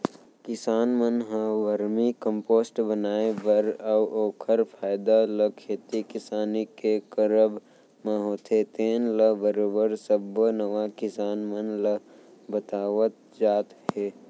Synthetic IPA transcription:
kɪsaːnmənɦə̃ʋəɾmikə̃mpoːsʈbənaːebəɾawoːkʰəɾpʰaːjd̪aləkʰeːt̪ikɪsaːnikekəɾəb | mə̃ɦoːt̪ʰet̪eːnləbəɾoːbəɾsəbənəʋakɪsaːnmənlə | bət̪aːʋət̪̚ | d͡ʒaːt̪ɦɛː

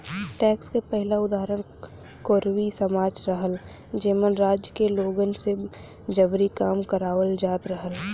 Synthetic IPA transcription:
ʈɛːkskepɛɦɪlaʊd̪aːɾən | koːɾwisəmaːd͡ʒɾəɦəl | d͡ʒeːmənɾaːd͡ʒjəkeloːɡənse | d͡ʒəbɾikaːmkəɾaːwəld͡ʒaːt̪ɾəɦəl

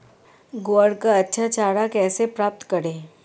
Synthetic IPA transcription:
ɡoːəɽkaɐtːʃʰat͡ʃaːɽakɛːsepɾaːp̚t̪kɐɾẽː

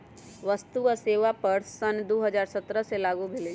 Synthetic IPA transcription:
ʋəst̪uaseːʋapəɾsənd̪oːɦəd͡ʒaːɾsɐt̪ɾəselaːɡubʱɪle

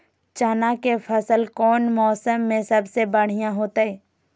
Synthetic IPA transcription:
t͡ʃaːnakefʰɐsəlkɔːnmɔːsəmːẽsɐbsebɐɽ̤ijãɦoːt̪aɦɛː

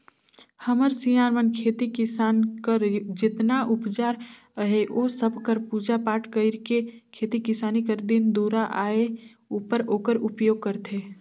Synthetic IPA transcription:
həməɾsijaːɾmənkʰeːt̪ikɪsaːnkəɾd͡ʒɪt̪naʔʊpt͡ʃaːɾ | əɦeʔoːsəbʱkəɾpuːd͡ʒapaːʈʰkəɪɾkekʰeːt̪ikɪsaːnikəɾd̪ind̪uːɾaʔaːe | upəɾoːkəɾʊpjoːɡ̚kəɾt̪ʰeː

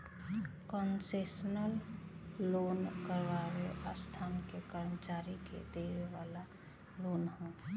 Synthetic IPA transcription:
kənsesnəlː | onkəɾbaɾeʔast̪ʰaːnkekəɾmət͡ʃaɾikḛd̪eɾeʋala | lonhɛ̃

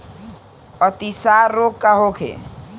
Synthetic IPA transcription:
ət̪isaɾːoɡkaɦokʰḛ

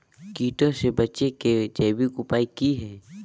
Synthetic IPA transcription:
kiːʈõsebɐt͡ʃeked͡ʒeːbikʊpaːikiɦɛː

